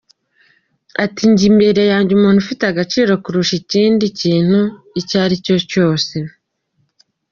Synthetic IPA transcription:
atiɲɟimbe̞ɾe̞jaːɲɟumuːnhufiteaɡat͡ʃiːɾo̞kuɾuʃiciːndiciːn̥hu | icaːɾico̞co̞ːse̞

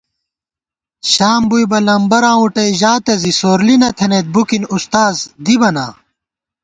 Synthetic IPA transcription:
ɕaːmbujbɐlɐmbɐɾãːuʈɐjʑaːt̪ɐzisoːɾlinɐt̪ʰenet̪̚bukinust̪aːzd̪ibɐna̰ː

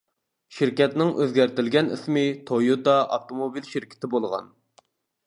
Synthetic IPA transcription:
ʃɪɾkʲɛt̪nɪŋʔø̰zɡʲæɾt̪ɪlɡʲɛnḭsmɪt̪ʰojud̪ɑʔɑft̪omobilʃɪɾkʲʰɪ̥t̪ʰɪbolˠʁɑ̰n

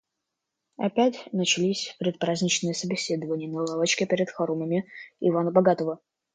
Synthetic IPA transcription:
ɐ̰pʲætʲnət͡ɕɪlʲisʲpʲɾʲɪt̪̚pɾazʲnʲɪt͡ɕnɨjəsəbʲɪsʲed̪əvənʲɪjənəlˠavət͡ɕkʲɪpʲeɾʲɪt̪xɐɾuməmʲɪivanəbɐɡat̪əvə

